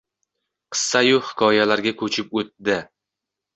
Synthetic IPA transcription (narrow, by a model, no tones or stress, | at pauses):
qʰɨ̥sːajʊhɪ̥kʰɒjalaɾɡʲakʰɵt͡ʃʰɪp̚ot̪̚d̪ɪ